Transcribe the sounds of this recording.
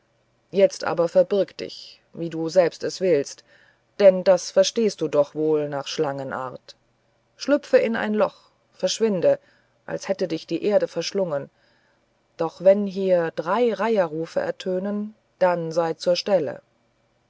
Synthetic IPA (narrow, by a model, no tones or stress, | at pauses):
jɛt͡stʔa̰ːbɐfɛɐbɪɐkt̚d̥ɪ̰ç | viːduːzɛlpstɛsv̥ɪlst | d̥ɛnd̥asfɛɐʃteːst̚d̥uːdɔχv̥oːlnaːχʃlaŋənʔa̰ːɐt | ʃlʏpp͡fəɪnʔa̰ɪnlɔχ | fɛɐʃv̥ɪndə | ʔa̰lshɛtədɪçd̥iːʔeːɐɾəfɛɐʃlʊŋən | d̥ɔχv̥ɛnɦiːɐd̥ʁaɪʁaɪɐʁuːfəʔɛ̰ɐtʰøːnən | d̥anzaɪt͡suːɐʃtɛlə̰